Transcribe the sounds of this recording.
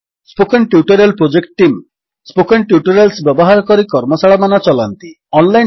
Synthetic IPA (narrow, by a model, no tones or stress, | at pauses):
spokenʈjuʈɔɾalpɾod͡ʒekʈ̚ːim | spokenʈjuʈɔɾelsbjɔbɔɦaɾɔkɔɾikɔɾmɔsaɭamanat͡ʃɔlant̪i | ɔnlaj